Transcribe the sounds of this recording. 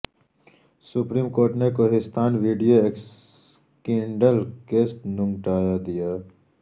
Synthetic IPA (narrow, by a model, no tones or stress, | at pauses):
sʊpɾiːmkoːɾʈnekoɦɪst̪ʰaːnʋiːɖijoeːks | kɪ̃ɳɖəlkeːsʈ̪nʊ̃ŋʈaːjad̪ijaː